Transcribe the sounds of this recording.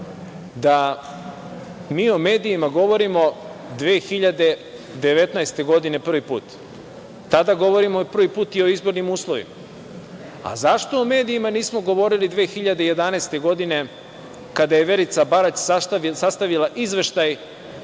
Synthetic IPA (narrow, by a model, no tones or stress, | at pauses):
d̪a | miːo̞me̞ːd̪iːmaɡo̞ʋo̞ɾimo̞d̪ʋeːxiʎad̪e̞ | d̪eʋe̞t̪naest̪e̞ɡo̞d̪ine̞pr̩ʋipṵːt̪ː | ad̪aɡo̞ʋo̞ɾimopr̩ʋipuːt̪io̞izbo̞ɾnimuːslˠoʋḭma | a̰zaʃt̪o̞ːme̞ːd̪iimaniːsmo̞ɡo̞ʋo̞ɾilid̪ʋe̞ːxiʎad̪e̞je̞d̪anaest̪e̞ɡo̞d̪ine̞ | kad̪aje̞ʋe̞ɾit̪sabaɾat͡ɕsat̪isast̪aʋilˠaʔizʋe̞ʃt̪aj